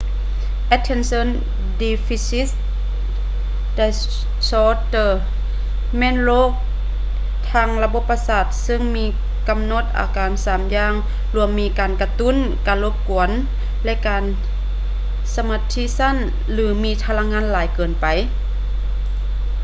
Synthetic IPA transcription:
ʔɛ˧˥t̪ʰːe˧˥˨nso˧˥˨n | di˧fi˧si˦˥s | da˧˩ | sɔː˧t̪ɤ˧˩ | mɛː˧˥˨nloː˧˥˨k̚ | t̪ʰaː˧˩ŋla˧bo˧˥pːa˧saː˧˩t̪̚sɯ˧˥ŋmiː˧˥˨ | ka˨mno˧˩t̪̚ʔa̰ː˨˦kaː˨nsaː˨˦mjaː˧˥ŋ | lu˧˩əmmiː˧˩kaː˨nka˧t̪u˧˥˨n | kaː˨nlo˧˥p̚ku˨˩˦ən | lɛ˧ʔkaː˨n | sa˧ma˧t̪ʰi˧˥˨sa˧˥˨n | lɯː˨˦miː˧˥˨t̪ʰa˧la˧˥ŋaː˧˥nlaː˨˦jkɤː˨˩npa˨˩j

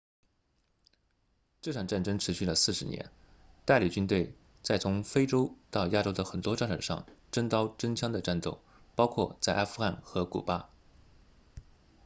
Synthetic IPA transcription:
ʈ͡ʂɤ˥˩ʈ͡ʂʰɑ˨˩ŋʈ͡ʂa˥˩nʈ͡ʂɤ˥ŋʈ͡ʂʰɻ̩˧˥ɕy˥˩lə˩sɹ̩˥˩ʂɻ̩˧˥njɛ̰˧˥n | t̪a˥˩ɪli˨˩t͡ɕy˥nt̪we˥˩ɪ | t͡sa˥˩ɪt͡sʰʊ˧˥ŋfe˥ɪʈ͡ʂo˥ʊt̪ɑ˥˧ʊja˥ʈ͡ʂo˥ʊd̪ə˨xə˨˩nt̪wɔ˥ʈ͡ʂa˥˩nʈ͡ʂə̰˨˩ʂɑ̰˥˧ŋʈ͡ʂə˥ŋt̪ɑ˥ʊʈ͡ʂə˥ŋt͡ɕʰjɑ˥ŋd̪ə˨ʈ͡ʂa˥˧nt̪o˥˩ʊ | pɑ˥ʊkʰwɔ˥˧t͡sa˥˩ɪʔa˥fu˥xa˥˩nxɤ˧˥kṵ˨˩pa˥

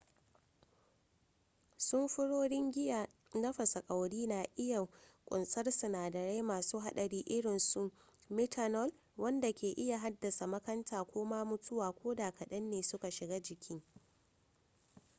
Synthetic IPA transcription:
sʊ˦mɸʊ˦ɽoː˦ɽɪ˦ŋɡʲɪ˦jaː˨ | nɐ˦ɸɐ˨sɐ˨kʼa˨wɽiː˦naː˨ʔɪ˦ja˨kʷʼʊ˨nsʼɐ˦rsʊ˨naː˨dɐ˨ɽe˦jmaː˨suː˦ɦa˦ɗɐ˨ɽiː˦ʔɪ˦ɽɪ˨nsu˨ | mɛ˦tʰa˦nɔ˦l | wɐ˦nda˨kʲeː˨ʔɪ˦ja˨ɦa˦dːɐ˨sa˨mɐ˦kɐ˦ntʰaː˨kʷoː˦maː˦mʊ˦tʊ˦waː˨kʷoː˦daː˨kɐ˨ɗɐ˦nːeː˨sʊ˦ka˨ʃɪ˨ɡaː˦d͡ʒɪ˨kʲʰɪ˦ŋ

